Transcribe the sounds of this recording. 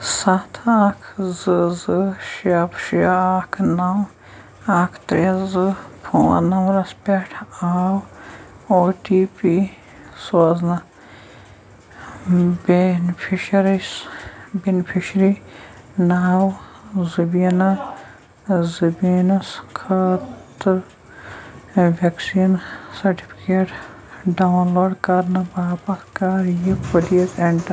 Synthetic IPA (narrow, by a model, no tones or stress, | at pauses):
sɐt̪ʰakʰzɨzɨʃɐpʃiɐaːkʰnɐw | aːkʰt̪ɾezɨpʰoːɐ̰nɐwɾɐspʲeʈʰaːw | oːʈiːpi | soːznɐ | benifʰiʃɐɾisbenipʰiʃɾi | naːwzibina | zɐbiːnɐskʰaːt̪ɾ | ʋeksiːnsɐɾʈi̥pʰi̥keːʈ | ɖanloːɖkaɾnɐbaːpɐkaːɾjipɐlijɐt̪eɳʈɐ